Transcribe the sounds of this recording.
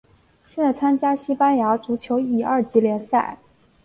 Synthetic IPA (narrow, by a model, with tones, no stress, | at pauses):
ɕjɛ˥˧nt͡sa˥˩ɪt͡sʰa˥nt͡ɕja˥ɕi˥pa˥nja˧˥ʈ͡ʂu˧˥t͡ɕʰjo˧˥ʊi˨˩ɐ˞˥˩t͡ɕi˧˥ljɛ˧˥nsa̰˥˩ɪ